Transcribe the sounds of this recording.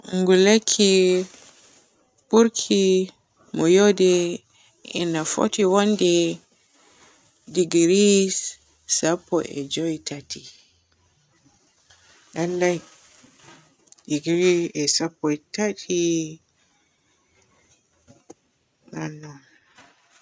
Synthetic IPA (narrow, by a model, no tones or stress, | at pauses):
ŋɡulakʰːi | buɾkʰi | mɔjɔdɛ | ɛ̰nafɔ̰tiwandɛ | diɡɾi | sapːɔʔɛ̰d͡ʒɔitʰati | ʔalːaj | diɡɾiɛsapːɔɛtatʰi | nanɔ